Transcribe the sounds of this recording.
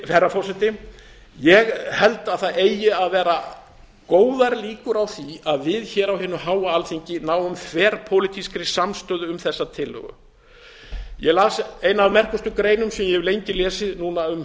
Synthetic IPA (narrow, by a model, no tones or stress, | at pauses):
fɛɾːafɔrsɛt̪ɪ | jɛɣhɛlt̪aðθaðeːjɪaðvɛːɾa | koːwðaɾliːkʏɾawθiaðvɪðçɛːɾawhɛːnːʏɦaːwaalθiɲcɪnaːwʏmkʰvɛːɾ̥pʰoːwlɪt̪ʰiskɾɪsamst̪œːðʏʏmθɛsːat̪ʰɪlhœ̰ɣʏ̰ | jɛlaːseːjnaːvmɛr̥kʏst̪ʏkɾeːjnʏmsɛmjɛlejɲcɪlɛːsɪðnuːnaʏm